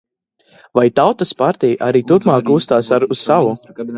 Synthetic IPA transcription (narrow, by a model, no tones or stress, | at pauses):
vajt̪awt̪aspaɾt̪ʲɛjiʔaɾiːt̪uɾpmaːkːuːst̪aːsaɾuz̥savu